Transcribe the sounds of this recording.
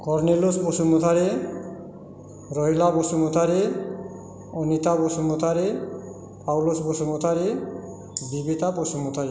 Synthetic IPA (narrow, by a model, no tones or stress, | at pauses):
kɔɾnelusposumut̪ʰaɾe | ɾɔɦilabosumut̪ʰaɾi | ɔnit̪abosumut̪ʰaɾi | pawlosbosumut̪ʰaɾi | bibit̪aposumut̪ʰaɾi